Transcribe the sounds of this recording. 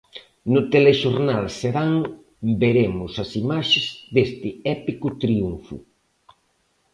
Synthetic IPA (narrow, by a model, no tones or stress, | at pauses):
nʊt̪eleʃoɾnalseɾaŋ | beɾemʊsɐsimaʃezðest̪ɪɛpikʊt̪ɾiuɱfʊ̰